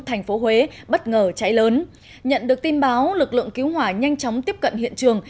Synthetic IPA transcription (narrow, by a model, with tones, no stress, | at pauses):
t̪ʰa˨˩ŋ̟fo˨˦hwe˨˦ɓə˦˥t̚ŋəː˨˩t͡ɕa˨˦jləː˨˦n | ɲə̰˧˨nɗɨ˨˩ək̚t̪i˧nɓaː˨˦wlɨ˨˩k̚lɨ̰˧˨əŋki˨˦wɦwaː˧˩ɲa˧jŋ̟t͡ɕɔ˨˦wŋ͡mt̪i˦˥əp̚kə˧˨nhḭ˧˨ənt͡ɕɨ˨˩əŋ